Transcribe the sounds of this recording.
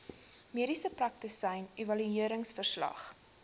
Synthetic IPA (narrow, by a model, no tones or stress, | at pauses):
miəɾisəprɐk̚təsəjnevɐlyiəɾəŋsfərslɐ̰χ